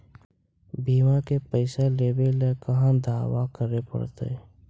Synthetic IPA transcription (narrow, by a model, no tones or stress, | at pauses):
biːmãkepəɪseleːbelekəɦãd̪aːwakəɾepə̰ɽt̪ḛ